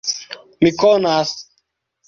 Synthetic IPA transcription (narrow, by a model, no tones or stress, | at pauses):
mikonas